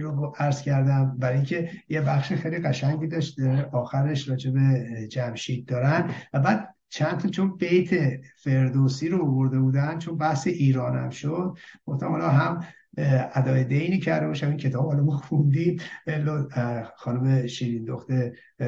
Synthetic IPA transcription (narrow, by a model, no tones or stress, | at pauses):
ɾoæɾz̥cʰæɾd̪æmbæɾːjiŋkcʰe̞jebæxʃixejliɣæʃæɲɟiːd̪ɒːʃt̪ɾeʔɒːxæɾe̞ʃɾɒːd͡ʒe̞be̞d͡ʒæmʃiːd̪̚d̪ɒːɾænd̪væbæːd̪̚ | t͡ʃʰænt̪ʰɒt͡ʃʰo̞nbe̞jt̪ʰefe̞ɾd̪osiːɾoovoɾd̪e̞buːd̪ænd̪̥t͡ʃʰo̞nbæhseʔiːɾɒːnæ̰mʃod̪̥̚ɡ̥o̞ft̪æmhɒlɒɦæm | æd̪ɒːjed̪ejniːcʰæɾd̪ebɒʃæmincʰe̞t̪ʰɒːbhɒlɒmɔxund̪imelːɔxɒːnomeʃiːɾind̪oxt̪e